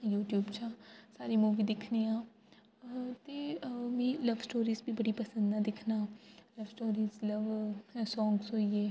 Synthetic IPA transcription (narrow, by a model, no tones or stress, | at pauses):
juːʈjuːbt͡ʃʰãːsaːɾiːmuːʋiːd̪ɪkʰneːãː | t̪eːʋĩːləʋsʈoːɾiːzbiːbəɽiːpəsə̃nd̪ãːd̪ɪkʰnaːləʋsʈoːɾiːzləʋsɔ̃ːŋɡsɦoːiːeː